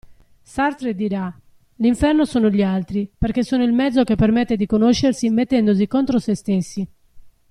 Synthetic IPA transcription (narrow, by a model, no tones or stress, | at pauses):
saɾt̪ɾed̪iɾa | liɱfɛrnosoːnoʎialt̪ɾipeɾk̟esːoːnoilmɛd̪zːok̟epːeɾmɛt̪ːed̪ikonoʃːeɾsimet̪ːɛnd̪os̬ikont̪ɾosest̪esːi